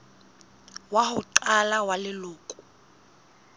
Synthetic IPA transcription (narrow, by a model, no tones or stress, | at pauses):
waɦʊǃalawalɪlʊːkʼʊ̥